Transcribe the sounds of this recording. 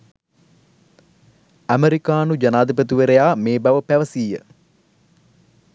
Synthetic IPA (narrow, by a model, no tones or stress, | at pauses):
æmeɾikaːnud͡ʒɐnaːd̪ipət̪uʋeɾejaːmeːbɐʋəpæʋəsiːjə